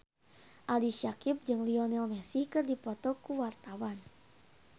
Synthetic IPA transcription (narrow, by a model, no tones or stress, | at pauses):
ʔaliʃakip̚d͡ʒɨŋliɔnɛlmɛsihkɨrdipɔt̪ɔkuwart̪awan